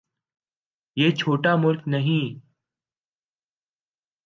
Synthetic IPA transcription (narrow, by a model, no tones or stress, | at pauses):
jeːt͡ʃʰoːʈamʊlknɐɦĩː